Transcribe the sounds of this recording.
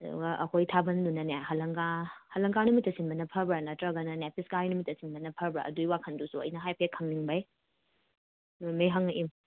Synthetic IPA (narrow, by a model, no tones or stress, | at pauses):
ɐdṵɡɐʔɐ̰kʰojtʰabɐndunɐnaɦɐlɐŋɡahɐlɐŋkanumitːɐsinbɐnɐpʰɐbɾɐnɐtɾɐɡɐnɐnepʰiskaɾinumitːɐsinbɐnɐpʰɐɾbɾa̰ʔɐ̰duiwakʰɐndusuɐ̰jnɐɦajpʰekʰːɐŋniŋbɐj | numejɦɐŋʔim